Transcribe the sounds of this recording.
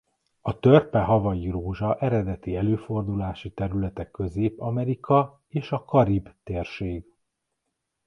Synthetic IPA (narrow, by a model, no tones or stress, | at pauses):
ɒt̪ørpɛɦɒvɒjiɾoːʒɒʔɛɾɛd̪ɛt̪iɛløːfo̞rd̪ulaːʃit̪ɛɾylɛt̪ɛkːø̞zeːpɒmɛɾikʰɒ | eːʃɒkɒɾibt̪eːrʃeːɡ